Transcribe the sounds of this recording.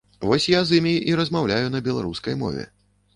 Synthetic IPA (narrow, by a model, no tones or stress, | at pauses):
vɔsʲjazɨmʲiʔiɾɐzmawlʲajunɐbʲɛlˠaɾuskɐjmɔ̰vʲɛ̰